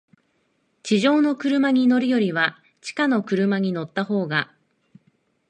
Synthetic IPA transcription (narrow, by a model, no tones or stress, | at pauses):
t͡ɕiʑo̞ːno̞kɯ̟ɾɯ̟maɲ̟ino̞ɾɯ̟jo̞ɾʲiβa | t͡ɕi̥kano̞kɯ̟ɾɯ̟maɲ̟ino̞t̪ːaho̞ːɡa